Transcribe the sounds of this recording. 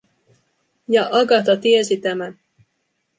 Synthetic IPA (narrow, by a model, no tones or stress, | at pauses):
jɑʔɑɡɑt̪ɑt̪iesit̪æmæn